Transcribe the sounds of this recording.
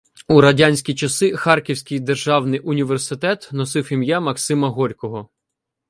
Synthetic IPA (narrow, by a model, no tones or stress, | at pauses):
uɾɐdʲanʲsʲkʲit͡ʃɐsɪxɑrkʲiwsʲkʲɪjd̪erʒɑwnɪjʊnʲiʋersɪt̪ɛt̪nɔsɪwʲimjamɐksɪmɐɦɔɾʲkɔɦɔ